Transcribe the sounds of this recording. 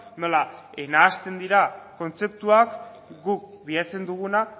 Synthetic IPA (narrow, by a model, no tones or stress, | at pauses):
no̞la | e̞naːst̪e̞nd̪iɾako̞nt͡se̞p̚t̪uak | ɡuk | biat͡se̞nd̪uɣ̞una